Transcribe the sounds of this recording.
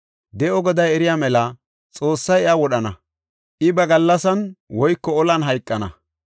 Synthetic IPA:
d̪ɛʔɔɡɔd̪ɐjɛɾɪjaːmɛlɐ | t͡sʼo̞ːsːɐjɐwɔɗɐnɐ | ʔɪbɐɡɐlːɐsɐnwɔjkːɔɔlɐnɦɐjkʼːɐnɐ̰

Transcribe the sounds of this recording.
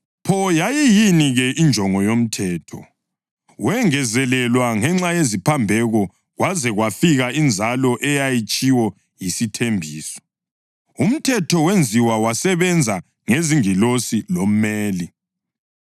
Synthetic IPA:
pʰɔjajijiniɣɛʔind͡ʒʱɔŋɔjom̩tʰɛːtʰɔ̰ | wɛŋɛzɛlɛlwaŋɛŋ͡ǁajezipʰambʱɛɣɔ | ɣwazɛɣwafiɣaind͡zʱalɔʔɛjajit͡ʃʼiwɔ | jisitʰembʱiːsɔ̥ | um̩tʰɛtʰɔwend͡zʱiwawasɛβɛnd͡zʱa | ŋeziŋilosilom̩meːli

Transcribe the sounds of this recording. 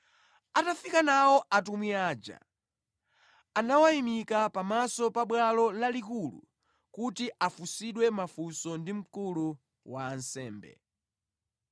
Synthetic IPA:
atafikanawɔʔatumiaːd͡ʒa̰ | anawaimikapamasɔpaɓwalɔlalikulṵ | kutiʔafusiɗwɛmafusɔndim̩kulu | waːnsɛːmbɛ̰

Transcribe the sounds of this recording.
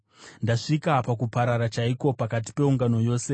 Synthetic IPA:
ndaʂikapak̬upaɾaɾat͡ʃaiko̞pakat̬i̥pe̞uŋɡano̞jo̞ːse̞

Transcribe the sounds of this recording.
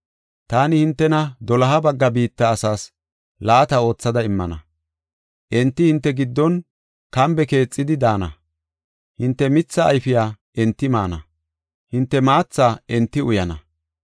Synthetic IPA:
t̪aːnɪhɪnt̪ːɛnɐd̪ɔlɐɦɐbɐɡːɐbiːt̪ːɐːsaːs | laːt̪ɐo̞ːt͡sːɐd̪ɐɪmːɐ̰nɐ̰ | ʔɛnt̪ːɪhɪnt̪ːɛɡɪd̪ːɔn | kɐmbɛke̞ːt͡sʼːɪd̪ɪd̪aːnɐ̰ | hɪnt̪ːɛmɪt͡sːɐ̰ːjfɪjaː | ʔɛnt̪ːɪmaːnɐ̰ | hɪnt̪ːɛmaːt͡sːaːɛnt̪ːɪʊjɐnɐ

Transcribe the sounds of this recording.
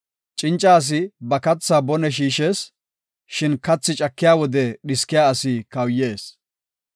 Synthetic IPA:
t͡ʃʼɪnt͡ʃʼːɐːs̬ɪbɐkɐt͡sːaːbɔnɛʃ̬iːʃeːs | ʃɪnkɐt͡sːɪt͡ʃʼɐkːɪjaːwɔd̪ɛɗɪskːɪjaːɐsɪkɐwje̞ːs

